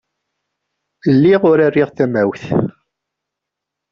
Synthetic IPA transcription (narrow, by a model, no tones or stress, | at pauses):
lːiʁʊɾarːiʁθæmæwθ